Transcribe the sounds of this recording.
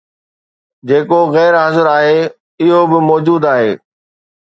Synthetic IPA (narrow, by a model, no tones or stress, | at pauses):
d͡ʑeːkoɣɛːɾɦɐzəɾaːɦeː | ɪɦobɪmɔːd͡ʑuːd̪aːɦeː